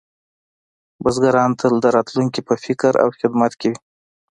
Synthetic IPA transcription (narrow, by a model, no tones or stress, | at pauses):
bazɡaɾɑnt̪ʰald̪əɾɑt̪luŋkipəfɪkɾa̰wxɪd̪mat̪kewi